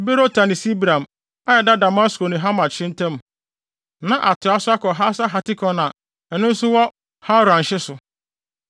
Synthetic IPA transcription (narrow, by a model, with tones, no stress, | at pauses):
be˦ɾo˦tʰã˨nɪ̃˨si˦bɾã˨m | a˦jɛ˨da˦da˨ma˦sko˨nʊ̃˨ɦa˦mã˨t͡ɕʰɪ̃˦n̩˦tʰɛ̃˦m˨ | nã˨ʔa˨tʰɪ˨˦a˦sʊ˦a˦kɔ˨ɦa˦sa˦ɦa˨tɪ˦kʰɔ̃˦nã˨ | ɛ˨nʊ̃˦n̩˦sʊ˦wɔ˦ | ha˦ɾʊ˨ã˨n˨ɕɪ˦sʊ˨